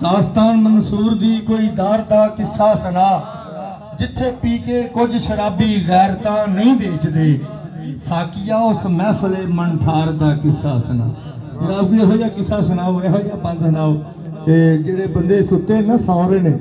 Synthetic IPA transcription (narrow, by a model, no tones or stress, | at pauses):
d̪aːst̪aːnmənsuːɾd̪iːkoːiːd̪aːɾd̪aːkɪsːaːsənaː | d͡ʒɪt̪ʰːeːpiːkeːkʊd͡ʒʃəɾaːbiːɣɛːɾt̪ãːnəĩːbeːt͡ʃd̪eː | saːkɪjaːʊsmɛ̃ːsəleːmənʈʰaːɾd̪aːkɪsːaːsəna̰ː | əɾaːbiːaɦoːijaːkɪsaːsənaːoːeɦoːijaːpə̃nd̪sənaːoː | t̪eːd͡ʒeːɽeːbənd̪eːsʊt̪ːeːnasãːʊɾeːneː